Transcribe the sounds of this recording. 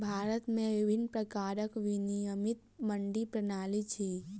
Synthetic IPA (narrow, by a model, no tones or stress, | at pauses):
bʱaːɾət̪mẽʋɪbʱɪnːpɾəkaːɾəkʋinijəmɪt̪̚məɳɖipɾɐnaːlit͡ʃʰi